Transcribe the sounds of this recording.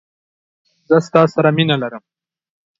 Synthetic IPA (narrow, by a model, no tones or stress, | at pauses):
zəst̪ɑːsaɾaminalaɾəm